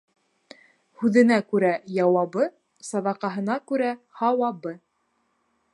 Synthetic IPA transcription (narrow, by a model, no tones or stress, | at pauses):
hʉðɘ̆nækʉɾæjɑwɑβɤ | sɑd̪ɑqɑɦɤ̆nɑkʉɾæhɑwɑbɤ